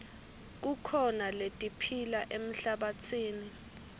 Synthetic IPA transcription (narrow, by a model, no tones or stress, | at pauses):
k̬ukʰɔnaletʼipʰilaʔem̩ɬaɓat͡sʰiːni